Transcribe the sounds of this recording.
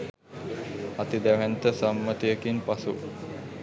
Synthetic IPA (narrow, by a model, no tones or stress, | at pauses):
at̪id̪æʋænt̪əsamːət̪ijəkinpasu